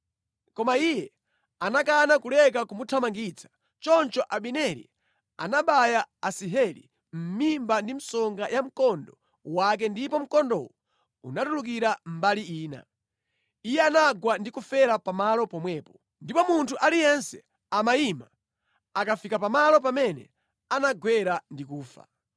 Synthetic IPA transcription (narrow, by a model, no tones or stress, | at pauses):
kɔmaijɛ | anak̬anakulɛk̬akumutʰamaŋɡit͡sʰḁ | t͡ʃɔnt͡ʃɔʔaɓinɛɾḭ | a̰naɓajaasiɦɛlḭ | m̩mimbandim̩sɔŋɡajʔam̩kɔndɔ | wak̬ɛndipɔm̩kɔndɔ̰wɔ | ṵnatuluk̬iɾam̩baliiːna̰ | ijɛanaɡwandikufɛɾapamalɔpɔmwɛːpɔ̥ | ndipɔmuntʰuʔalijɛnsɛ | amaima | akafikapamalɔp̬amɛnɛ̰ | anaɡwɛɾandikuːfa̰